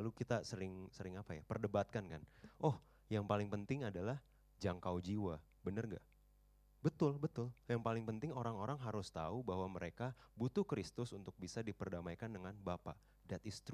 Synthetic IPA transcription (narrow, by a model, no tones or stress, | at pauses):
lukit̪asəɾɪŋsəɾɪŋapajapərdəbat̪̚kankanʔɔh | jaŋpalɪŋpənt̪ɪŋadalah | d͡ʒaŋkawd͡ʒiwa | bənərŋɡa̰ | bət̪ʊlbət̪ʊljaŋpalɪŋpənt̪ɪŋoɾaŋoɾaŋɦaɾʊst̪aubaɦwaməɾekabut̪uhkɾɪst̪ʊsunt̪ʊk̚bisadipərdamaikandəŋanbapa̰ʔ | dat̪ɪst̪